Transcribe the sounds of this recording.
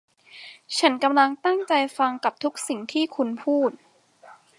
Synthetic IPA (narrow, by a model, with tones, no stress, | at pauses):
t͡ɕʰa˦˥nka˧mla˧ŋt̪a˥˩ŋt͡ɕa˧jfa˧ŋka˨˩p̚t̪ʰu˦˥k̚si˨˩ŋt̪ʰiː˥˩kʰu˧npʰuː˥˩t̪̚